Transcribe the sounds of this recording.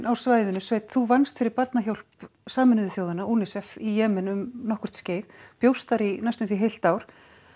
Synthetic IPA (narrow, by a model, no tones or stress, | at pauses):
nʔawsvaːjðʏnʏsveːjt̪θuvanst̪fɪɾɪɾpaɾt̪naçowl̥psaːmɪnʏðʏθjowðʏnaʔunɪsɛfijɛːmɪnʏmnɔhkʏ̥ɾ̥t̪sceːjðpjowst̪aɾinajst̪ʏθviɦejl̥t̪aːwɾ̥